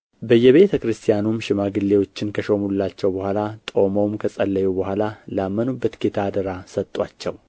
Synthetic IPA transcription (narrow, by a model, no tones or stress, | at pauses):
bəjːɛβe̞t̪ʰəkɾɨst̪ʰijanumʃɪmaɡɨlːewo̞t͡ʃːɪnkʰəʃomulːat͡ʃːɛwbəhʷalat̪ʼo̞mowmkʰəsʼəlːəjubəhʷalalamːənubːət̪ket̪ʰad̪əɾasət̪ʼːwat͡ʃːɛw